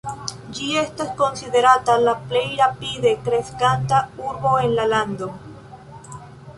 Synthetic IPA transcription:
d͡ʒiest̪askonsiðeɾat̪alaplejɾapiðekɾeskant̪auɾβoenlaland̪o

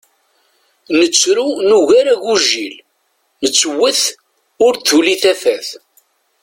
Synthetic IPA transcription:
nət͡sːɾunuʝaɾaʝuʒil | nət͡sːəwːəθ | ʊɾθuliθæθæθ

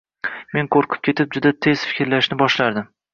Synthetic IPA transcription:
me̞ŋqʰoɾqʰɨ̥p̚kʲʰe̞t̪ɪp̚d͡ʒʊd̪at̪ʰe̞z̥fɪ̥kʲɾlaʃnɪbɒʃlaɾd̪ɪm

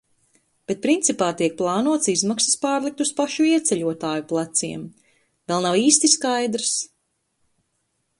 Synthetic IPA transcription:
b̥et̪̚pɾint̪sipaːt̪iɛk̚plˠɑːnuɔt̪sizmaksɐ̥spaːɾlˠik̚t̪uspaʃuiɛt̪sɛʎuɔt̪aːjuplˠat̪sḭɛm | vɛlˠnawiːst̪iskajd̪ɾs

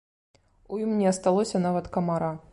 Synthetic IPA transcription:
ujimnʲɛɐst̪alˠɔsʲɐn̪avɐt̪kɐmaɾa

